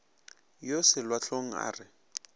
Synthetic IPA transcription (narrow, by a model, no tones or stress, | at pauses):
josɪlwaɬoŋ̩a̰ːrɪ